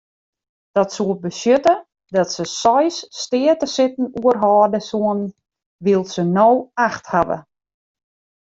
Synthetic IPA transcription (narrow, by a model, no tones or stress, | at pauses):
d̥ɔtsuət̚bəsjøtə | dɔtsəsɔjsːtɪːətəsɪtn̩uərɦɔːdəsuən | ʋilˠsənoːaxthaʋə̰